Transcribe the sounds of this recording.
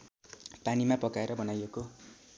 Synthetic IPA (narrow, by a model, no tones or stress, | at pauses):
panimapʌkaeɾʌbʌnajeko